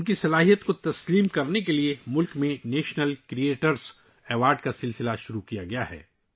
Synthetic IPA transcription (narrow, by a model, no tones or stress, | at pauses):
ʊnkisɐlaːɦijət̪kot̪ɐsliːmkɐɾnekeliemʊlkmẽneːʃnəlkɾieːʈəɾs | ɛːʋaːɾɖ̚kasɪlsɪlaʃʊɾukijaɡɐja̰ɦɛ̰ː